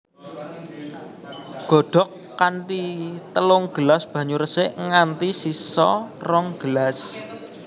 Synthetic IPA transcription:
ɡ̥ɔ̤ɖ̥ɔ̤kːaɳʈit̪əlʊŋɡ̥əlasb̥ä̤ɲuɾəsɪʔŋant̪isisɔ̰rɔŋɡ̥əlas

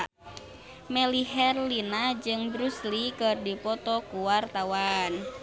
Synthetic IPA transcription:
mɛliɦɛrlinad͡ʒɨŋbɾuslikɨrdipɔt̪ɔkuwart̪awan

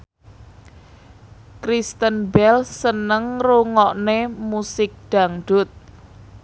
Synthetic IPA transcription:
kɾist̪ənbɛlsːənəŋruŋɔʔnemusɪk̚ɖ̥a̤ŋɖ̥ʊt̪̚

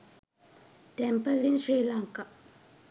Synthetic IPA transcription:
t̪ɛmpalinɹeʔlaŋkaʔ

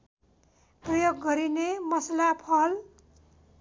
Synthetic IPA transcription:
prʌjoɡːʌɾinemʌslapʰʌl

